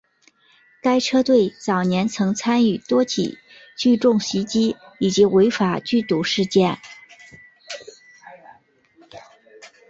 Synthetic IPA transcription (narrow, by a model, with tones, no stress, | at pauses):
ka˥ɪʈ͡ʂʰɤ˥t̪we˥˩ɪt͡sɑ˨˩ʊnjɛ˧˥nt͡sʰɤ˧˥ŋt͡sʰa˥ny˥˩t̪wɔ˥t͡ɕʰḭ˨˩˦ | t͡ɕy˥˧ʈ͡ʂʊ˥˩ŋɕi˧˥t͡ɕi˥i˨˩t͡ɕi˧˥we˧˥ɪfa˨˩t͡ɕy˥˩t̪u˨˩ʂɻ̩˥˧t͡ɕjɛ˥˩n